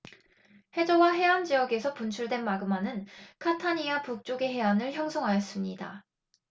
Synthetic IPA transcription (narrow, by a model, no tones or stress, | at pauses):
he̞d͡ʑʌwaɦe̞and͡ʑijʌɡe̞sʰʌpunt͡ɕʰuɭdwe̞nmaɡɯmanɯnkʰatʰaɲiapuk̚t͡ɕ͈oɡe̞ɦe̞anɯɭçjʌŋsʰoŋɦajʌs͈ɯmɲida̰